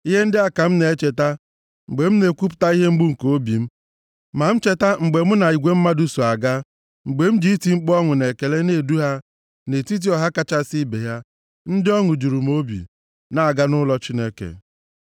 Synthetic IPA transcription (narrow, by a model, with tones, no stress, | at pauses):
i˦ɦe˦n̩˦dɪ˦a˦ka˨m̩˦ne˨e˦t͡ʃe˨ta˦ | ŋ͡m̩˨ɡ͡be˨m̩˦ne˨kʷu˦p̬ʊ̥˨ta˦i˦ɦe˦ŋ͡m̩˦ɡ͡bu˦ŋ̩˨koo˦bi˨m̩˦ | ma˨m̩˦t͡ʃe˦ta˦ŋ͡m̩˨ɡ͡be˨m̩˦na˨i˨ɡʷe˦m̩˦ma˦du˦so˨a˨ɡa˦ | ŋ͡m̩˨ɡ͡be˨m̩˦d͡ʒi˦i˦ti˨ŋ͡m̩˦k͡pɔ˦ŋʊ˨ne˨ke˨le˦ne˦˨du˦ɦa˦ | ne˨ti˦t̬i˦ɔ˨ɦa˦ka˦t͡ʃa˦si˦be˨ɦja˦ | n̩˦dɪ˦ɔ˦ŋʊ˨d͡ʒu˨ɾu˨m˦o˦bḭ˨ | na˨ɡa˦nʊ˦lɔ˦t͡ʃi˦ne˦kḛ˨